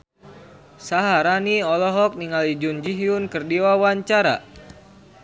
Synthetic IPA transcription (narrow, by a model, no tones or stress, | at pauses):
saɦaɾaniɔlɔɦɔk̚niŋalid͡ʒund͡ʒiɦiunkərdiwawaɲt͡ʃaɾa̰